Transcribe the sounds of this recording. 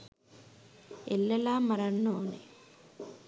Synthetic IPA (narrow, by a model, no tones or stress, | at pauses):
elːelaːmɐɾɐnːoːnḭ